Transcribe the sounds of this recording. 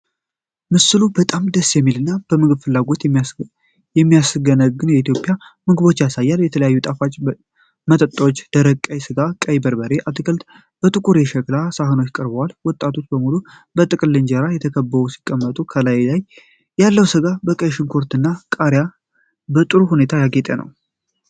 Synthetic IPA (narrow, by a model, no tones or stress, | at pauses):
mɨsɨlubət̪ʼamd̪əsːjɛmːilɨnːab̥əmɨɡɨbfɨlːaɡo̞t̪ | jɛmːijasɡənəɡɨnjɛit̪ʰjo̞pʼːjamɨɡɨβo̞t͡ʃːjasajːaljɛt̪ʰələjajːut̪ʼafat͡ʃʼː | mət̪ʼət̪ʼːwot͡ʃːd̪̥əɾəkʼːəjsɨɡakʼəjbəɾbəɾe̞ʔat̪ɡəlt̪ | b̥ət̪ʼɨkʼuɾeʃəklasaɦɨno̞t͡ʃːkʼəɾbəwalwɔt̪ʼːat̪ʰo̞t͡ʃːbəmulu | bət̪ʼɨkʼɨlːeɲd͡ʒeɾajɛt̪ʰəkʰəbːəusi̥kʼːəmːət̪ʼukʰəlajlaj | jalːəwsɨɡabəkʼəjʃɪnkʰo̞ɾt̪ɨnːakʼaɾja | bət̪ʼɨɾuhune̞t̪ʰajaɡet̪ʼənə̰w